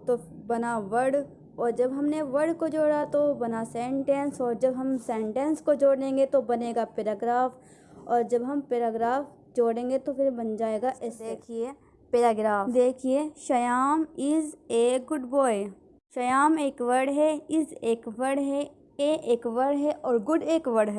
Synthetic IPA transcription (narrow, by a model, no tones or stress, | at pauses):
t̪obɐnaʋɐɾɖ | ɔːɾd͡ʒɐbɦɐmneʋɐɾɖkod͡ʒoːɽat̪obɐnasẽːɳʈẽːnsɔːɾd͡ʒɐbɦɐmsẽːɳʈɛ̃ːnskod͡ʒoːɽẽːŋɡet̪obɐneːɡapeːɾaːɡɾaːf | ɔːɾd͡ʒɐbɦɐmpeːɾaːɡɾaːf | d͡ʒoːɽẽːŋɡet̪opʰɪɾbɐnd͡ʒaːeːɡaʔɛseːkʰie | peːɾaːɡɾaːfd̪eːkʰieʃɐjaːmɪzeːɡʊɖbɔːe | ʃɐjaːmeːkʋɐɾɖɦɛɪzeːkʋɐɾɖɦɛ | eːʔeːkʋɐɾɖɦɛʔɔːɾɡʊɖeːkʋɐɾɖɦɛː